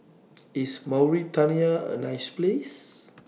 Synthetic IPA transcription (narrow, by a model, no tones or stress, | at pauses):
ismawɹitaniaə̰najsples